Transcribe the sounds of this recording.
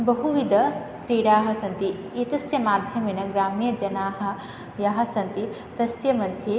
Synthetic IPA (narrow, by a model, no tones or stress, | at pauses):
bɐɦuʋid̪ʱɐ | kɾiːɽaːɦɐ̆sɐ̃nt̪i | it̪ɐsjɐmaːd̪ʱjɐminɐɡɾaːmijɐd͡ʒɐnaːɦɐ̆ | jaɦɐ̆sɐ̃nt̪i | t̪ɐsjɐmɐnt̪ʰi